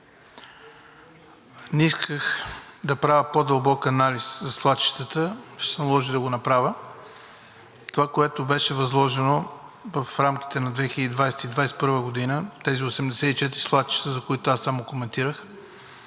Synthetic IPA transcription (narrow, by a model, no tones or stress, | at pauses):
nɛiskʰəxd̪ɐpɾavʲəpod̪əlˠbɔkɐnaliszɐslˠat̪t͡ʃi̥ʃt̪ət̪əʃt̪ɛ̥sɛnɐlˠɔʒid̪ɐɡonɐpɾavʲə | t̪ovakoɛt̪obɛʃɛvɐzlˠɔʒɛno | vɐfɾamk̟ʲi̥t̪ɛnɐd̪vɛxilʲəd̪id̪vajsɛ̥t̪id̪vajsɛ̥pɤɾvəɡod̪inət̪ɛziosɛmd̪ɛsɛit͡ʃɛt̪ɾislˠat̪t͡ʃi̥ʃt̪əzɐkoit̪oasːamokomɛnt̪iɾəx